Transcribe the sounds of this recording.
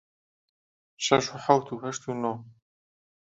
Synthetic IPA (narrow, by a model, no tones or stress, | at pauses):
ʃɛʃuħawt̪ʰuhɛʃt̪ʰunɔ